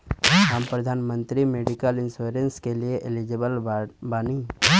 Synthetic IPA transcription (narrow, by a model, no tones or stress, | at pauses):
ɦəmpɾəd̪ʱaːnmə̃nt̪ɾimeːɖikəlɪnsuːɾenskelieʔelid͡ʒebəlbaːni